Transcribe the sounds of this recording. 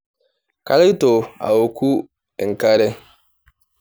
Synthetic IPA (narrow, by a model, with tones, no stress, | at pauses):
ka˦lɪ˦to˨a̰˨wo˨ku˦˨ | ŋ̩˨ka˦ɾɛ˦